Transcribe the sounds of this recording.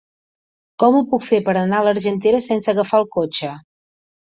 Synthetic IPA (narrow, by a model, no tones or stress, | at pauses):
kɔmupukfepəɾənaləɾʒənt̪eɾəsɛnsəɣəfaəlˠkot͡ʃə